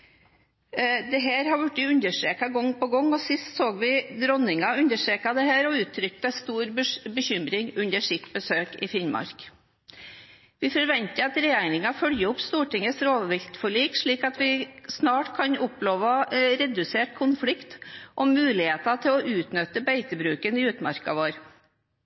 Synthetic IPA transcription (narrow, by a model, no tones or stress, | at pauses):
d̪ɛɦæːɾhɑɾʋʉʈːɪʉnd̪əʂʈɾeːkɑɡɔŋːpɔɡɔŋːɔsɪst̪soːɡʋɪd̪ɾɔnɪŋɑʉnd̪əʂʈɾeːkɑd̪ɛhæːɾɔʉːt̪ʰːɾʏk̚t̪əst̪uːɾbəçʏmɾɪŋʉnd̪əʂɪt̪bəsøːkɪ̰fɪnmɑ̰ɾk | ʋɪfɔɾʋɛnt̪əɑt̪ɾɛjeːnɪŋɑfœljəʊpst̪uːʈɪŋːəsɾoːʋʋɪlt̪fɔɭiːkʂɭiːkɑt̪ʋɪsnɑːʈkʰɑnʊploːʋɑɾɛd̪ʉseːʈkʰʊnflɪkt̪ʔɔmʉːlɪheːt̪ɑt̪ʰɪlɔʔʉːt̪nʏt̪əbæɪt̪əbɾʉːkənɪʉːt̪mɑ̰ɾkɑ̰ʋoːɾ